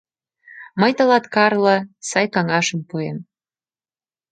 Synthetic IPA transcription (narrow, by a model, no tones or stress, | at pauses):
məjt̪ɤ̆lɑt̪kɑrlə̆sɑjkɑŋɑʃə̆mpuem